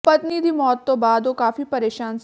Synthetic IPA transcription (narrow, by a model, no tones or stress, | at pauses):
pɐt̪niːd̪ʱimɔːt̪ːobaːd̪ʋokaːfipɐɾeːʃaːns